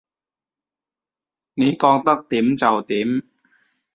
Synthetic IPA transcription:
niː˨˦˥kɔː˧ŋt̪a˥˩k̚t̪i˨˦mt͡ɕa˨˩wt̪i˨˦m

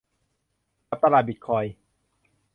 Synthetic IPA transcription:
a˦˥p̚t̪a˧ɾaː˧˩bi˨˩kʰɔː˧j

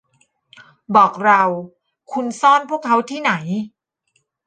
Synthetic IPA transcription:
bɔː˨˩k̚ɾa˧w | kʰu˧nsɔː˥˩npʰu˥˩əkʰːa˦˥wt̪ʰiː˥˩na˩˦j

